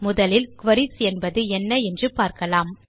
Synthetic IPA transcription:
mʊðɐlɪlkʋɐɾisɛnbɐðɯɛnːɐɛndrɯpaːɾkɐlaːm

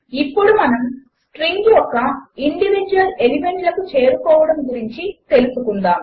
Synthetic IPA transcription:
ipːuɽumɐnɐm | sʈɾiŋɡjɔkːɐiɳɖiʋid͡ʒuʋɐle̞lime̞ɳʈlɐkut͡ʃe̞ːɾukɔːʋɐɽɐmɡuɾiɲt͡ʃit̪e̞lusukund̪aːm

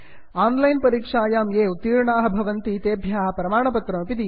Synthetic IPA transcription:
aːnlɐjnpɐɾiːkʂaːjaːmeːut̪ːiːɾɳaːɦɐ̆bʱɐʋɐnt̪it̪eːbʱjaːɐpɾɐmaːɳɐpɐt̪ɾɐmɐpid̪i

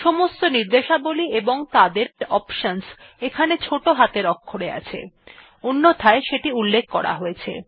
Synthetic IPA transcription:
ʃɔmost̪oniɾd̪eʃabolieboŋt̪ad̪eɾɔpʃonsekʰanet͡ɕʰoʈoɦat̪eɾɔkʰːoɽea̰t͡ɕʰḛ | unːot̪ʰaeʃeʈiulːek̚ʰkɔɾa̰ɦojet͡ɕʰḛ

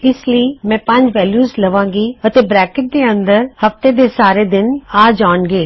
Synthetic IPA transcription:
ɪsləimɛ̃ːpɐ̃ɲd͡ʑʋɛːljuːzlɐʋãːŋɡiɐt̪ebɾɛːkɪʈ̚d̪eɐ̃nd̪əɾhɐft̪ed̪esaːɾed̪ɪnaːd͡ʒaːɳɡeː

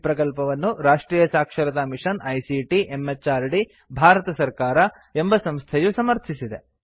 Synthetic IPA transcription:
pɾɐkɐlpɐʋɐnːuɾaːʂʈɾiːjɐsaːkʂɐɾɐd̪ɐmiʂɐnɐjsiʈiʔemet͡ʃːaːɾɖi | bʱaːɾɐt̪ɐsɐɾkaːɾɐ | embɐsɐmst̪ʰejusɐmɐɾt̪ʰisid̪e

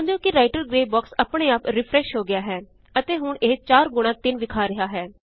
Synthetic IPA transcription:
nd̪jõːkɪɾaːɪʈəɾɡɾeːbɔːksəpɽ̃eːaːpɾɪpʰɾɛːʃɦoːɡɪaːɦɛː | ət̪eːɦʊɳeːt͡ʃaːɾɡʊɽ̃ãːt̪ɪnʋɪkʰaːɾɪɦaːɦɛː

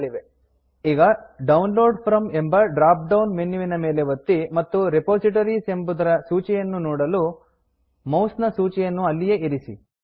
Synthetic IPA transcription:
iʋe | iːɡɐɖɐwnloːɖpʰɾɐme̞mbɐɖɾaːp̚ɖɐwnmenːjuʋinɐme̞ːleʋɐt̪ːimɐt̪ːuɾepoːsiʈ̬ɐɾise̞mbud̪ɐɾɐsuːt͡ʃɛjɐnːunɔːɽɐlu | mɐwsnɐsuːt͡ʃɛjɐnːuɐlːije̞iɾisi

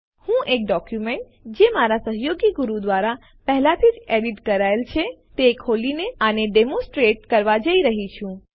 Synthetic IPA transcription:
hũʔek̚ɖɔkjumeɳʈ̚ | d͡ʒemaɾasəɦjoɡiɡuɾud̪ʋaɾa | pəɦlat̪ʰid͡ʒeɽiʈkəɾaelt͡ʃʰet̪ekʰolineəneɖemõsʈɾeʈ̚kəɾʋad͡ʒəiɾəɦit͡ʃʰũ

